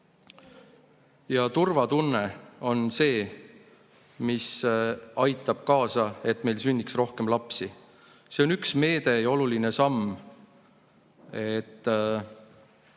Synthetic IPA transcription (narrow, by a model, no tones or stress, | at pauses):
jɑt̪urvɑt̪unːeo̞nse̞ː | misɑjt̪ːˑɑb̥̚kɑːsɑe̞t̪ːme̞jlsynʲːiksro̞hke̞mlɑpsi | se̞o̞nyksme̞ːd̪̥e̞jo̞luline̞sɑmː | e̞t̪ː